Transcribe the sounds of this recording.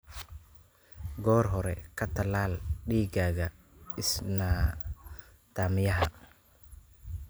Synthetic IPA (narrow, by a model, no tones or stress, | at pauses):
ɡɔːrɦɔɾɛ̰kʰɐt̪ʰɐlaːlɖiːɡaːɣɐ | ɪsnaː | d̪̥ʰaːmɪjɐɦɐ